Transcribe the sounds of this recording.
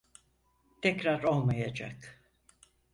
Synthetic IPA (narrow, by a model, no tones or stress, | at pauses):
t̪ʰɛcɾaɾo̞lˠmajad͡ʒa̰k